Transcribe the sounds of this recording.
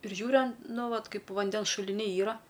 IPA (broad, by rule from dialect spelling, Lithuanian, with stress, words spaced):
ɪr ˈʒʲuːrʲʊ ɐn ˈnʊ ˈʋɐt ˈkɐɪp ˈʋɐnʲdʲɛns ʃʊlʲɪˈnʲɛɪ ˈiːrɐ